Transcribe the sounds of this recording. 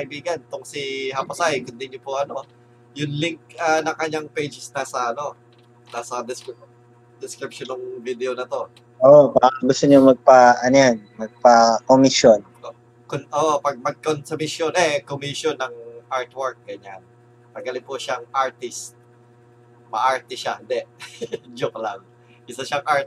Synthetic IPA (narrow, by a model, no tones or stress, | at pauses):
ɐʔɪbiːɡɐnt̪ʊŋsiɦɐpɐsajkʊnd̪ɪɲopʊʔɐno̞ | jʊnlɪŋk̚ɐnɐŋkɐɲaŋpejd͡ʒɪsnaːsɐʔɐno̞ | naːsɐd̪ɪsk | d̪ɪskɾɪp̚ʃonoŋvid̪ɛʔonɐt̪o̞ | ʔoʔobakɐɡʊst̪oɲoŋmɐɡ̚pɐʔɐnojanmɐɡ̚pɐkomɪʃjon | konʔoːʔopɐɡ̚mɐɡ̚konsɐmɪʃjonɛkomiʃjonːɐŋʔaɹt̪wɛɹk̚ɡɐɲan | pɐɡ̚ɡɐlɪŋpʊʃaŋʔaɹt̪ɪst̪̚ | mɐʔaɹt̪ɪʃahɪnd̪ɛʔd͡ʒʊklaŋ | ʔɪsaʃaŋʔaɹ